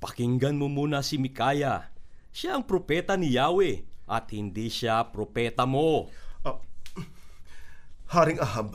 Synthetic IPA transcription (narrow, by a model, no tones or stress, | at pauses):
pɐkɪŋɡɐnmomuːnɐsɪmɪkaːjɐ | ʃaʔɐŋpɾopɛːt̪ɐnɪjaːwɛʔɐt̪̚hɪnd̪iʃapɾopɛːt̪ɐmo̞ | haːɾɪŋɐhab̚